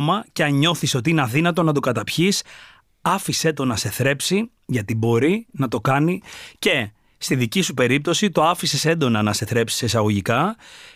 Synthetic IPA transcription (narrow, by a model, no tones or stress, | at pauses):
mɐceɐɲo̞θiso̞t̪̬iineɐðinɐt̪o̞nɐt̪o̞kɐt̪ɐpçis | ɐfise̞t̪o̞nɐse̞θɾe̞psi | ʝɐt̪ibo̞ɾinɐt̪o̞kɐnice̞ | st̪iðicisupe̞ɾip̚t̪o̞sit̪o̞ɐfisese̞nd̪o̞nɐnɐse̞θɾe̞psi̥sesɐɣo̞ʝikɐ